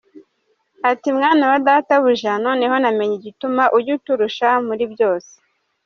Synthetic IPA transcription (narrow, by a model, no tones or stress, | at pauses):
atimŋaːnawadataβuʒano̞niɦo̞name̞ɲiɟitumaʔujutuɾuʃamuɾibjo̞ːse̥